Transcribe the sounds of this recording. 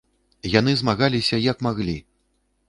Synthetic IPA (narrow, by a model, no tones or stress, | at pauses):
jan̪ɨzmaɣalʲisʲɐjɐkmaɣlʲi